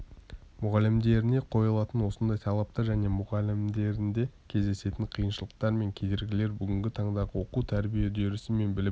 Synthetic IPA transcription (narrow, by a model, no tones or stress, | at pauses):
mʊʁɑlɪmd̪e̞ɾɪne̞qʰo̞jəlˠɑt̪ənwo̞sənd̪ɑjt̪ʰɑlˠɑp̚t̪ɑɾʒæne̞mʊʁɑlɪmd̪e̞ɾɪnd̪e̞kʲʰe̞zd̪e̞se̞t̪ɪɴqʰijənʃəlˠəq̚t̪ɑɾme̞ŋkʲʰe̞d̪e̞ɾɡʲɪle̞ɾbʏɡʲɪŋɡʲɪt̪ʰɑɴd̪ɑʁəwo̞qut̪ʰæɾbije̞d̪eɾɪsɪme̞nbɪlɪ